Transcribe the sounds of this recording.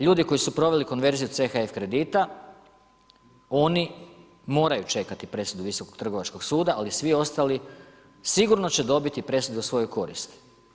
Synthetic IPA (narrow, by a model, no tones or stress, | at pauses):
ʎuːd̪iko̞jisupɾo̞ʋe̞liko̞nʋe̞ɾzijut̪se̞xaefkɾe̞d̪it̪a | o̞ni | mo̞ːɾajut͡ʃe̞kat̪ipɾe̞sud̪uʋiso̞koɡt̪r̩ɡo̞ʋat͡ʃko̞ɡsuːd̪aʔalisʋio̞st̪ali | siɡuɾno̞t͡ɕe̞d̪o̞bit̪ipɾe̞sud̪eusʋo̞jo̞jko̞ɾḭst̪i̥